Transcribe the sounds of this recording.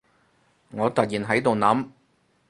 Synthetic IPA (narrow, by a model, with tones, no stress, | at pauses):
ŋɔː˨˧t̪ɐ˨t̚jiː˨˩nɦɐ˨˥jt̪o˨wnɐ˨˥m